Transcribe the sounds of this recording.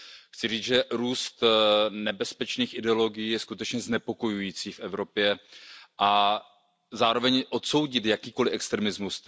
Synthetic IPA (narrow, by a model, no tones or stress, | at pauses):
xt͡sɪriːt͡sʒɛɾuːst̪nɛbɛspɛt͡ʃniːxɪdɛo̞lo̞ɡɪjiːjɛskut̪ɛt͡ʃɲɛznɛpo̞ko̞jujiːt͡siːfʔɛvɾo̞pjɛʔa | zaːɾo̞vɛɲʔo̞t̪so̞wɟɪt̪jakiːko̞lɪʔɛkst̪ɾɛmɪzmus